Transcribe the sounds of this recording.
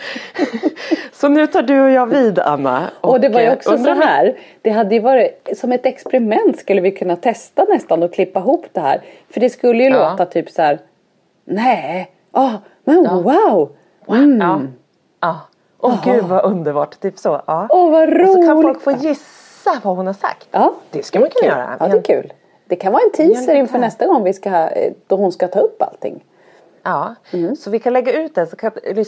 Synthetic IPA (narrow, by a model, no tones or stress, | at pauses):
sɔnʉ̟ːt̪ʰɑːɖɵɔjɑːviːd̪a̰nːa̰ʔɔɔd̪ɛvaɾjəɔksɔɛɦæːɾd̪̥ɛɦad̪ːəjɵvɑːɾɪsɔmɛt̪ɛkspɛɾɪmɛnt̪skɵlːəvɪjkʰɵnːat̪ʰɛst̪anɛst̪anɔkʰlɪpːaɪɦuːpːd̪̥ɛhæ̰ːɾfœɖɛskɵlːəjɵloːt̪at̪ʰyːpsæːɾ | nɛ | ʔɑ | mɛnwaʊ | ɑː | ʔɔɡʉ̟ːd̪vaʔɵnd̪əɾbɑ̰ːʈt̪ʰyːpsɔʔɑːɔvaɾualɔlkfoːjɪsː | avahʊnhaʂa̰kt̪ɑːd̪̥ɛskmak̪ʰajœ̰ːɾa̰ɑːdɛkʰʉ̟ːl | d̪̥ɛkʰanvɑːɾɛnt̪ʰiːsəɾɪnfœɳɛst̪aɡɔŋːvɪskad̪̥ɔhʊnskat̪ʰɑːɵpːa̰lt̪ʰɪ̰ŋː | ɑːm̩sɔvɪkʰanlɛɡːaʉ̟ːt̪̚d̪ɛsɔkʰãnjal